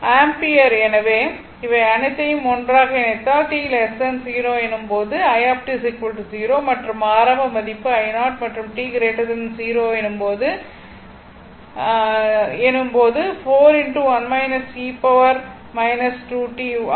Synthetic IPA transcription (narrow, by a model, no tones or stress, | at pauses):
aːmpiɐɾɛnɐʋeː | ɪʋɐɐɳɯt̪ːɐjɯmɔndraːɣɐɛnɐt̪ːãːʈiːlɛsɐnsiːɾoːɛnːɯmpoːðɯɐjaːp̚ʈis̬ɪkʋɐlʈisiːɾoːmɐʈrɯmaːɾɐmbɐmɐðɪpːɯɐɪnaːʈ̚mɐʈrɯmʈiːɡɾeːʈɐðɐnsiːɾoːɛnɯmpoːðɯ | ɛnːɯmpoːðɯfoːɾɪɳʈuʋɐnmɐɪnɐsiːpɐʋɐɾ | mɐɪnɐsʈuːʈiː